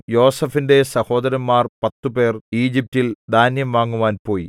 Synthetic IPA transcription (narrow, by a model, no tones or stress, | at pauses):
jo̞ːsɐfinde̞sɐho̞ːd̪ɐɾɐmːaːrpɐt̪ːupe̞ːriːd͡ʑip̚tild̪ʱaːnjɐmʋaːŋːuʋaːnpo̞ːji